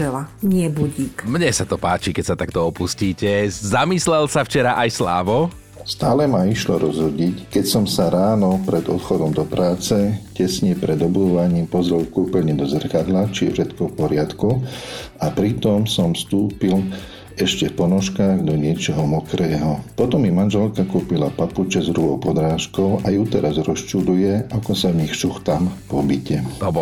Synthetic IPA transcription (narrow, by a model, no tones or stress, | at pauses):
ɛlaɲɪɛbuɟiːkmɲɛsat̪ɔpaːt͡ʃikɛcsat̪ak̚t̪ɔɔpusciːcɛzamislɛlsaft͡ʃɛɾaʔajsla̰ːʋɔ | st̪aːlɛmaiʃlɔɾʔɔzɦɔɟickɛcsɔmsaɾaːnɔpɾɛd̪ɔt̪xɔd̪ɔmd̪ɔpɾʔaːt͡sɛcɛsɲɛpɾʔɛd̪ɔbud̪uʋaɲiːmpɔzɾɛlkupəlɲɛd̪ɔzr̩kad̪lat͡ʃifʃɛt̪kɔfpɔɾɪat̪ku | apɾit̪ɔmsɔmfst̪uːpil | ɛʃcɛfpɔnɔʃkaːɣd̪ɔɲɪɛt͡ʃɔɦɔmɔkɾɛːɦɔpɔt̪ɔmːimanʒɛlkakuːpilapaput͡ʃɛzɾuɦɔʊpɔd̪ɾaːʃkɔʊajut̪ɛɾazɾɔst͡ʃud̪ujɛakɔsavɲixʃuxt̪ampɔbicɛ